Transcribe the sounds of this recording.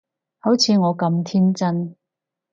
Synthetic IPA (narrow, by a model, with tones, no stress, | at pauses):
ho˨˥wt͡sʰiː˨˧ŋɔː˨˧kɐ˧mt̪ʰiː˥nt͡sɐ˥n